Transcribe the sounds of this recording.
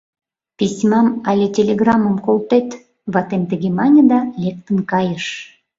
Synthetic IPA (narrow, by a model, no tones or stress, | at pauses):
pʲisʲmɑmɑlʲetʲelʲeɡrɑmə̆mkolˠt̪et̪ | βɑt̪emt̪əɡemɑnʲəd̪ɑlʲek̚t̪ənkɑjəʃ